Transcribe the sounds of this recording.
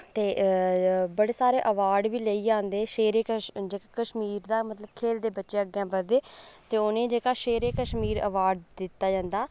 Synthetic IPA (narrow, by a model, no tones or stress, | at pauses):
t̪eː | bəɽeːsaːɾeːʔəʋaːɖʋiːləiːd͡ʒãːnd̪eːʃeːɾeːkəd͡ʒeːkaːkəʃmiːɾd̪aːmət̪ləbkʰeːld̪eːbətːʃeəɡjãːbəɾd̪eːt̪eːʊnẽːd͡ʒeːkaːʃeːɾeːkəʃmiːɾə̰ʋaːɖd̪ɪt̪ːaːd͡ʒãːnd̪aː